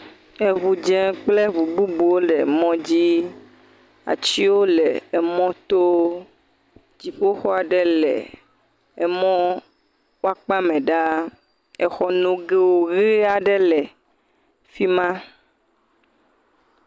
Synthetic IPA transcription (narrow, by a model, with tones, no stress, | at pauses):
e˨βu˨d͡ʒɛ̃˨k͡plɛ˦βu˨bu˦bu˨wo˦lɛ˨mɔ̃˦d͡ʑi˦ | a̰˨t͡ɕi˦wo˦lɛ˨ɛ˨mɔ̃˦t̪o˦ | d͡ʑi˨ɸo˦xɔ˦a˨ɖɛ˦lɛ̰˨ | ɛ˨mɔ̃˦ | wo˦a˨k͡pa˦mɛ̃˨ɖa˦ | ɛ˨xɔ˦nũ˨ɡe˦wo˦ɣe˦a˨ɖɛ˦lɛ˨ | fi˦mã˦